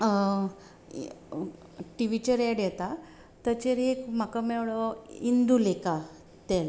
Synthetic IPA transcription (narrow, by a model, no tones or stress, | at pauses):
ʈiʋit͡ɕəɾjɛɽjɛt̪a | t̪ət͡ɕeɾekm̤akamɛwɭɔind̪uleka | t̪el